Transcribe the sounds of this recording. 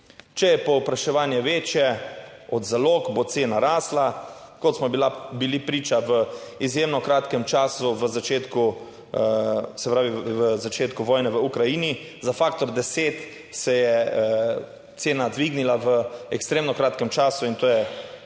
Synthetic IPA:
t͡ʃɛjɛpɔpɾaʃɛʋaːnjɛʋeːt͡ʃjɛɔd̪zaloːkbot̪seːnaɾaːsla | kɔt̪smɔbilabilipɾiːt͡ʃaʋəizjeːmnɔkɾaːt̪kɛmt͡ʃaːsuʋəzat͡ʃeːt̪ku | sɛpɾaːʋiʋəzat͡ʃeːt̪kuʋɔːjnɛʋəukɾajiːni | zafaːkt̪ɔɾd̪ɛseːt̪ | sɛjɛə | t̪seːnad̪ʋiɡnilaʋəɛkst̪ɾeːmnɔkɾaːt̪kɛmt͡ʃaːsuint̪oːjɛ

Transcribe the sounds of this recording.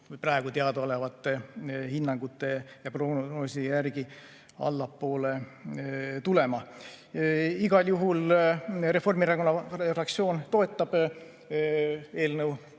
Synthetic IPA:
vɯjprɑeɡ̥ut̪eɑd̪ole̞vɑt̪ːˑehinːɑŋɡ̥ut̪ːˑe̞jɑproːnosijærɡ̥i | ɑ̰lːɑpːo̞ːle̞ | t̪ule̞mɑ | iɡ̥ɑljuɦulre̞fo̞rmirɑɡonɑfrɑk̚t̪sio̞ːnt̪o̞e̞t̪ˑːɑb̥ | e̞ːlnəw

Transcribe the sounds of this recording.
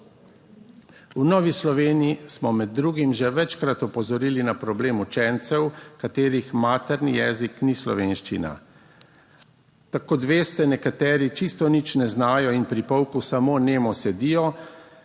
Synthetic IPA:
unɔːʋislɔʋeːniismɔmɛd̪ːɾuːɡimʒɛʋɛt͡ʃkɾat̪ɔpɔzɔɾiːlinapɾɔbleːmut͡ʃɛnt̪sɛwkat̪eːɾixmaːt̪ɛɾnijɛːziknislɔ̰ʋeːnʃt͡ʃina̰ | t̪akod̪ʋeːst̪ɛnɛkat̪ɛːɾit͡ʃist̪ɔnit͡ʃnɛznaːjɔinpɾipɔwkusamoːneːmɔsɛd̪iːjɔ

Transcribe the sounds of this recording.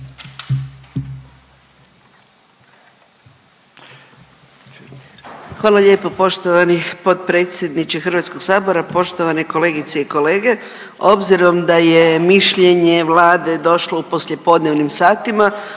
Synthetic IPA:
xʋaːlˠaʎʲe̞ːpopo̞ʃt̪oʋanixpo̞t̪pɾe̞ːt̪sʲje̞d̪nit͡ʃixɨrɾʋat̪sko̞ɡsaːbo̞ɾapo̞ʃt̪o̞ʋaneko̞le̞ːɡit̪seiko̞le̞ːɡe̞ | o̞bziɾo̞md̪aje̞miʃʎe̞ɲe̞ʋlˠaːd̪e̞d̪o̞ʃlo̞upo̞sʎe̞po̞d̪ne̞ʋnimsaːt̪ima

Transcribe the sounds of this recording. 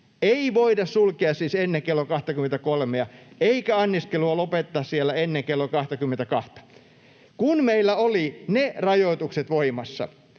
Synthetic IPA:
eiʋoidɑssulkeɑssiːsenːeŋkelːokɑht̪ɑkyment̪ækolmeɑeikæɑnːiskeluɑlopet̪ːɑːssielːæenːeŋkelːokɑht̪ɑkymːent̪ækɑht̪ɑ̥ | kunmeilːæolinerɑjot̪ukset̪ʋoimɑsːɑ̰

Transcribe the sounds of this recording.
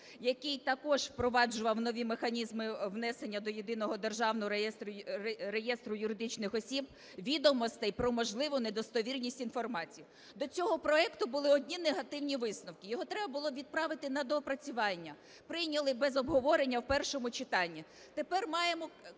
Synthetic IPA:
jɐkijt̪ɐkɔʒpɾɔʋɑd͡ʒʊʋɐwnɔʋʲimexɐnʲizmɪwnɛsenʲːɐd̪ɔjed̪ɪnɔɦɔd̪erʒɑwnɔɦɔɛst̪ɾejɛst̪ɾʊjʊɾɪd̪ɪt͡ʃnɪxɔsʲib | ʋʲid̪ɔmɔst̪ɛjpɾɔmɔʒlˠɪʋʊned̪ɔst̪ɔʋʲirnʲisʲtʲin̪fɔrmɑt͡sʲijʊ | d̪ɔt͡sʲɔɦɔpɾɔɛkt̪ʊbʊlˠɪɔdʲnʲineɦɐt̪ɪwnʲiʋɪsnɔwkɪjɔɦɔt̪ɾɛbɐbʊlˠɔʋʲid̪̚pɾɑʋɪt̪ɪnɐd̪ɔpɾɐt͡sʲʊʋɑnʲːɐ | pɾɪjnʲɐlˠɪbɛzɔbɦɔʋɔɾenʲːɐwpɛrʃɔmʊt͡ʃɪt̪ɑnʲːi | t̪epɛrmɑjemɔ

